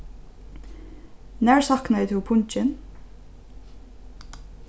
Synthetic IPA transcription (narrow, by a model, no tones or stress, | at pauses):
næːɹsɑknɑɪt̪ʰɪupʰʊɲt͡ʃɪn